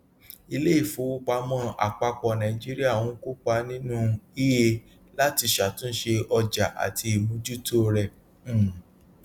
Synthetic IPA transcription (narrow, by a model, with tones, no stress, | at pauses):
i˧le˦i˦˨fo˨˦o˦ɡ͡ba˧˦mɔ̃˦ʔa̰˨k͡pa˧k͡pɔ˨nã˨i˨d͡ʒi˦ɾi˦a˦˨wũ˨˦ku˦k͡pa˧nĩ˦nũ˦i˦je˧ | la˦ti˧˨ʃa˨tũ˦n̩˦ʃe˧ɔ˧d͡ʒa˨ʔa̰˨tʰi˧i˨mũ˨˦d͡ʒu˦to˦ɾɛ˨˦˨